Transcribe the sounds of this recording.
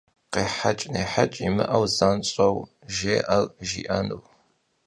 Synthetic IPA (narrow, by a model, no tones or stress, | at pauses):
qeːħat͡ʃʼneːħat͡ʃʼimɨ̰ʔɐwzanɕʼɐw | ʒeːʔɐlʒḭːʔɐnuw